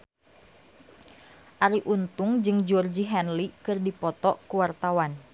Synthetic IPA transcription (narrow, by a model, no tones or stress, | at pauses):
ʔaɾiʔunt̪uŋd͡ʒɨŋd͡ʒɔrd͡ʒiɦɛnlikɨrdipɔt̪ɔʔkuwart̪awan